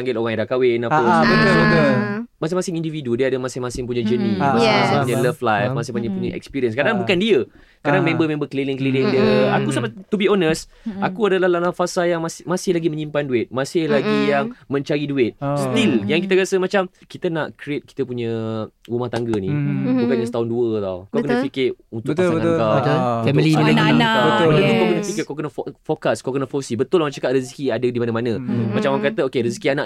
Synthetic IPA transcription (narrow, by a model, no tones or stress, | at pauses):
aŋɡɪloɣaŋidakawɪnapasəsoəmasɪŋmasɪŋindividudiəadəmasɪhmasɪŋpuɲad͡ʒənimasɪmasɪ̃ŋpuɲələflajfmasɪhpuɲəpuɲəʔɛ̰kspiɾiəns̬kadaŋbukandiə | kadaŋmẽmbəmẽmbəkəlilɪŋkəlilɪndiəa̰kusambat̪ːubionəs | ʔakuadalalalahfasajaŋmasɪmasɪhlaɡimə̃ɲimpanduɪt̪̚mãsɪhlaɡijaŋmə̃ɲt͡ʃaɾiduɪt̪̚st̪iljaŋkit̪aɾasəmat͡ʃamkit̪ənaʔkɾiet̪̚ki̥t̪əpuɲə̃ɾumaht̪aŋɡənibukanɲasə̥t̪aʊnduət̪a̰wkawkənapikɪunt̪ʊt̪aəkafɛmililaɡiabət̪bələukawkənafikɪkawkənafofokaskawkənafosibət̪ʊlmat͡ʃakaʔrisikiadədimanəmanə̃mat͡ʃamakat̪əokeɾisikianaʔ